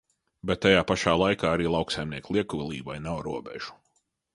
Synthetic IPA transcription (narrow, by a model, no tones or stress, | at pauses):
bɛt̪̚ːajaːpaʃaːlˠajkaːaɾiːlˠɑwksajmniɛklˠiɛkuilˠḭːvajnawɾuɔbɛ̰ʒ̥u̥